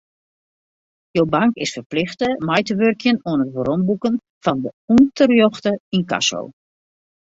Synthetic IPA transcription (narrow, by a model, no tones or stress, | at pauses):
jowbaŋkɪsfərplɪxtəmɛjtəʋørkjənuənətʋəɾombukən | fɑndəuntərjoxtəinka̰so̰w